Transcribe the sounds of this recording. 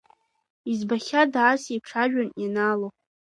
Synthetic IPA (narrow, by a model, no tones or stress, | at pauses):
izbaχʲadʕasipʈ͡ʂʰaʒᶣanjanalo